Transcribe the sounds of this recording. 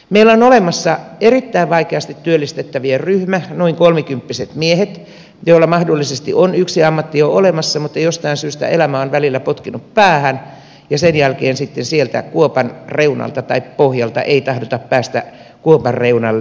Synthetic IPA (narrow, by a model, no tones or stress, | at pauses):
meilːæonolemɑsːɑerit̪ːæiʋʋɑikeɑst̪it̪tːyølːist̪et̪ːæʋierryhmænoiŋkolmikympːiset̪miehet̪ | joilːɑmɑhdolːisest̪ḭʔonyksiɑmːɑt̪ːioolemɑsːɑmut̪ːejost̪ɑinsyːst̪æ̰elæmæonʋælilːæpot̪kinuppæːhæn | jɑsenjælkeːnsit̪ːensielt̪æ̰kuopɑnreunɑ̰lt̪ɑt̪ɑippohjɑlt̪ɑ̰ʔeit̪ɑhdot̪ɑppæːst̪æ | kuopɑrreunɑlːe